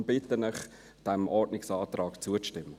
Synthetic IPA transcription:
mbɪt̪ːənəχ | d̥ɛmʔɔɾdnɪksɑːt̪ɾɑːkt͡suəʃtɪmːə

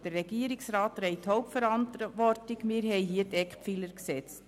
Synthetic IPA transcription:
d̥ərːɛɡ̥iəɾɪksɾaːtɾɛɪthɔʊp̚tfɛɾɑntʋɔrtɪɡmiːɾɦɛɪɦiətɛkχpfiləɾksɛt͡st

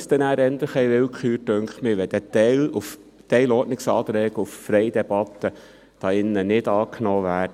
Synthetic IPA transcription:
st̪ɛnæːɾɛnd̪əχɛɪʋɪlkχyːɾtɵŋktmɪʋɛd̥̪ɛt̪ɛluf | t̪ɛɪlɔːnɪksɑːt̪ɾɛːɡ̥əuffɾɛɪd̥̪ɛb̥ɑt̪ːə | d̥ɑːɪnːənɪdɑːkʰnoːʋæːt

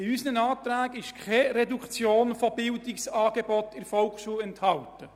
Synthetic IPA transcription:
ɪysənənɑːt̪ɾæːɡɪʃkʰɛɾɛdukʰt͡sjoːnfɔbɪldɪksɑːɡ̥ebɔtɪɾfɔlksuɛnthɑltə

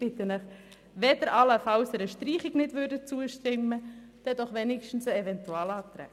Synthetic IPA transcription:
b̥ɪt̪ːənəχ | ʋɛd̪əɾʔɑləfɑwsəɾəʃtɾiːχɪɡnɪdʋʏɾdət͡suəʃtɪmːəd̪̥ɛdɔχʋɛnɪkʃtn̩səɛvɛnt̪uɑːlɑːt̪ɾɛ̰ː

